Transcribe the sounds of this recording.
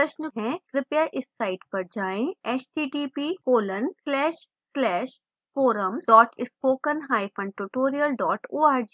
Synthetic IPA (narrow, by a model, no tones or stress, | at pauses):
pɐʃnəɦɛ̃kɾɪpjaʔɪsːaːɪʈpɐɾd͡ʒaːẽɛːt͡ʃʈiːʈiːpiːkoːləɳɖslɛːʃ | slɛːʃ | foːɾəmɖɔːʈɪspoːkə̃nɦaːipʰɐ̃ɳɖʈuʈoːɾijəlɖɔːʈoːaːɾd͡ʒiː